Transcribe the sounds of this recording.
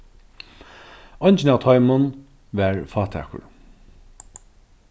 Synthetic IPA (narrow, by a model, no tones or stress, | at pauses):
ɔjnʲt͡ʃɪnaːʋt̪ʰɔjmʊn | ʋæɹfɑːt̪ʰæ̰ːkʊ̰ɹ